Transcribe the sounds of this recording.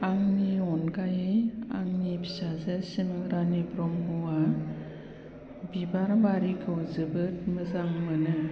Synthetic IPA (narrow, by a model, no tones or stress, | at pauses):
aŋniɔnɡajea̰ŋnibi̥sazɯsimɯɾanibɾɔmuwa | bibaɾbaɾikʰɯwzɯbɯt̚mɯzaŋmɯnɯ